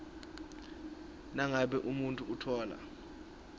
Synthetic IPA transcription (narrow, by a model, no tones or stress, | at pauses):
naŋaɓɛʔumuntʼuːtʰɔːla̰